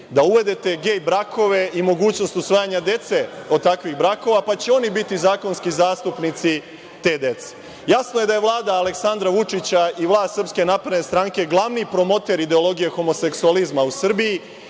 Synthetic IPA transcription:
d̪auʋe̞d̪e̞t̪e̞ɡe̞ːjbɾakʰo̞ʋe̞imo̞ɡuːt͡ɕno̞st̪usʋaːjaɲad̪e̞t̪se̞o̞d̪̚t̪akʋiɣbɾako̞ʋapat͡ɕeo̞nibit̪izaːko̞nskizaːst̪upnit̪si | t̪e̞d̪e̞t̪se̥ | jasnoje̞d̪aje̞ʋlˠaːd̪aːle̞ksand̪ɾaʋut͡ʂit͡ɕaiʋlˠaːst̪r̩pske̞napɾed̪nest̪ɾaŋke̞ɡlˠaʋnipɾo̞mo̞t̪e̞ɾid̪e̞o̞lˠo̞ɡijexo̞mose̞ksualizmausr̩biji

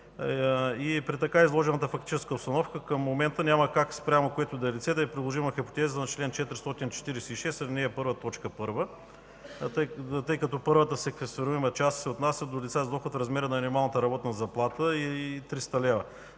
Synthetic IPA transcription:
ipɾit̪ɐkaizlˠɔʒɛnət̪əfɐkt̪it͡ʃɛskəopst̪ɐnɔfkəkəmːomɛnt̪ənʲamɐkakspɾʲamokoɛt̪ʊd̪ɐɛlit̪sɛt̪ɛɛpɾid̪lˠoʒimɐxipo̥t̪ɛziznɐt͡ʃlɛnt͡ʃɛt̪ɾʲist̪ɔt̪int͡ʃɛ̥t̪iɾɛsɛiʃɛst̪nɛːpɤɾvət̪ɔt͡ʃkəpɤɾvə | t̪ɤjkɐt̪ɔpɤɾvət̪əsɛkvɛst̪ɛɾuimɐt͡ʃast̪sɛot̪nasʲjəd̪olʲit̪sazd̪oxot̪fɾɐzmɛɾənɐmʲinʲimalˠnət̪əɾɐbɔt̪nɐzɐplˠat̪əit̪ɾist̪ɐlɛvə

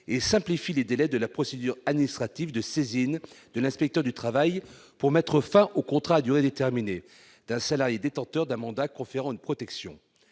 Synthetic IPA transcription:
esɛ̃plifiled̪elɛd̪əlapχɔsed̪yʁad̪minist̪χat̪ivd̪əsezind̪̥əlɛ̃spɛk̚t̪œʁd̪yt̪χavajpuʁmɛt̪χəfɛ̃ʔokɔ̃t̪χaːd̪yʁed̪et̪ɛʁmine | d̪̥ɛ̃salaʁjed̪et̪ɑ̃t̪œʁd̪ɛ̃mɑ̃d̪akɔ̃feʁɑ̃ynpχɔt̪ɛksjɔ̃

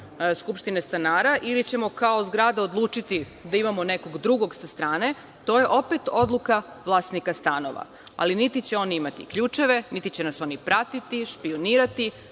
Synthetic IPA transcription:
skupʃt̪inest̪anaːɾaʔilit͡ɕe̞mo̞kaozɡɾaːd̪aod̪lˠuːt͡ʃit̪i | d̪aimamo̞ne̞ko̞ɡd̪ɾuɡo̞ɡsast̪ɾaːne̞ | t̪o̞je̞ʔo̞pet̪o̞d̪lˠuka | ʋlˠaːsnikast̪ano̞̰ʋa̰ | a̰linit̪it͡ɕe̞o̞niimat̪ḭkʎuːt͡ʃe̞ʋe̞nit̪it͡ɕe̞naso̞nipɾat̪it̪iʃpio̞niːɾat̪i

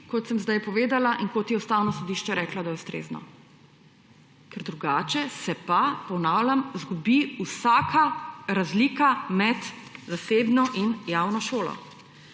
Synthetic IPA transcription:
kɔt̪səmzd̪ajpɔʋeːd̪alaʔinkot̪jiɔst̪awnɔsɔd̪iʃt͡ʃɛɾɛːklad̪ajɛust̪ɾḛːznɔ̰ | kɛɾd̪ɾuɡaːt͡ʃɛsɛpapɔnaːwlʲamzɡubiusaːkʰaɾazliːkamɛt̪zaseːbnɔʔinjawnɔʃoːlɔ̰

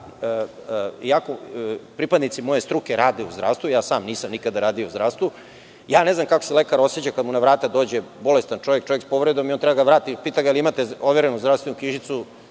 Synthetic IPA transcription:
iakopɾipad̪nit̪simo̞je̞st̪ɾuke̞ɾaːd̪eṵzd̪ɾa̰ʋst̪ʋujaːsaːmniːsamnikad̪aɾaːd̪iouzd̪ɾaːst̪vu | jaːne̞znamkakoselekaɾo̞set͡ɕakad̪munaʋɾaːt̪ad̪oːd͡ʑe̞bo̞le̞st̪ant͡ʃo̞ʋje̞k̚t͡ʃojekspo̞ʋɾe̞d̪omiont̪ɾɛbaɡaaʋɾaːt̪ipiːt̪aɡailiimat̪eoʋeɾenuzd̪ɾast̪ʋenukiʃit̪su

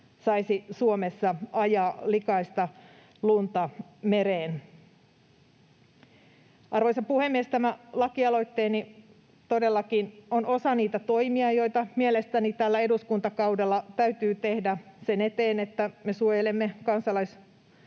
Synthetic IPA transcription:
sɑisisuomesːɑɑjɑːlikɑist̪ɑ | lunt̪ɑmeɾeːn | ʔɑrʋojsɑpuhemːiest̪æmælɑkiɑlo̞it̪ːeːni | t̪odelːɑkinono̞sɑniːt̪æt̪o̞imiɑjo̞it̪ɑmielest̪ænit̪ælːæeduskunt̪ɑkɑudelːɑt̪æyt̪yːt̪ehdæsenet̪eːnet̪ːæmesuojelemːekɑnsɑlɑis

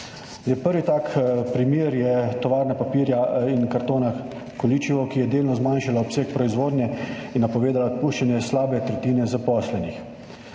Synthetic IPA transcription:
jɛpəɾʋit̪aːkpɾimjeːɾjɛt̪ɔʋaːɾnapapiːɾjainkaɾt̪oːna | kɔlit͡ʃiʋɔkijɛd̪eːlnɔzmanʃalaɔpseːk̚pɾɔizʋoːd̪njɛinːapɔʋeːd̪alat̪puːʃt͡ʃanjɛslaːbɛt̪ɾɛt̪iːnɛzapɔːslɛnix

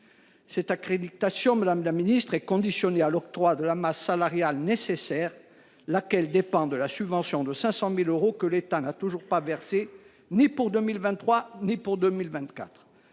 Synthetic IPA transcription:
sɛt̪akχed̪it̪asjɔ̃mad̪amlaminist̪χɛkɔ̃d̪isjɔnealɔk̚t̪χwad̪əlamasːalaʁjalnesesɛːʁ | lakʲɛld̪epɑ̃d̪əlasybvɑ̃sjɔ̃d̪əsɛ̃sɑ̃miløʁokəlet̪anat̪uʒuʁpavɛʁse | nipuʁd̪ømilvɛ̃nt̪ːχwanipuʁd̪ømilvɛ̃t̪ka̰t̪χ

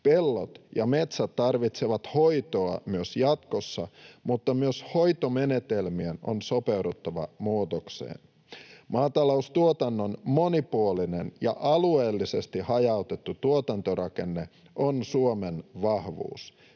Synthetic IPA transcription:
pe̞lːo̰t̪jɑme̞t̪sæt̪ːɑrʋit̪seʋɑt̪ho̞jt̪o̞ɑmyøsjɑt̪kosːɑmut̪ːɑmyøsho̞jt̪ome̞net̪e̞lmieno̞̰nso̞pewɾut̪ːɑʋɑ̰muːt̪oksḛːn | mɑːt̪ɑloust̪uot̪ɑnːonmo̞nipuoline̞njɑ̰ʔɑlueːlːise̞st̪ihɑjɑut̪e̞t̪ːut̪uot̪ɑnt̪orʔɑke̞nːe | ʔo̞nsuomenʋɑhʋṵːs

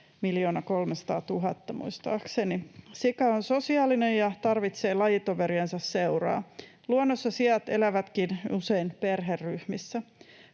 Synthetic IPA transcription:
miljo̞ːnɑko̞lmesɑ̥t̪ɑːt̪uɦɑt̪ːɑmṵist̪ɑ̰ːksenisikɑonso̞siɑːlinejɑt̪ɑrʋit̪se̞ːlɑjit̪oʋeɾiensɑssewrɑ̰ː | luonːosːɑsiɑt̪elæʋæt̪kinuseinperɦerːyhmisːæ

